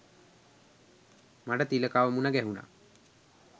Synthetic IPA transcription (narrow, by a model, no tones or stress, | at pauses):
maʈət̪iləkaːʋəmunaɡɛɦuna̰ː